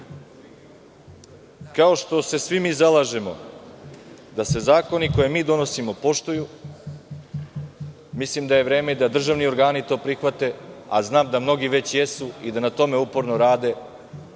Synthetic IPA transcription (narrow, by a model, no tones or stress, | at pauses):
kao̞ʃt̪o̞se̞sʋimiːzalaːʒemo̞̰ | d̪ase̞zaːko̞niko̞jemiːd̪o̞no̞simo̞po̞ʃt̪oju | mislimd̪aje̞ʋɾeːme̞d̪ad̪r̩ʒaʋnio̞ɾɡaːnit̪o̞ːpɾixʋat̪e̞a̰znaːmd̪amno̞ɡiʋe̞t͡ɕje̞suid̪anat̪o̞me̞upoɾnoɾaːd̪e̞